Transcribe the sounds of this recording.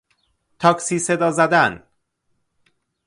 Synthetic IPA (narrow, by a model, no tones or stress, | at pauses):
t̪ʰɒːksiːse̞d̪ɒːzæd̪æn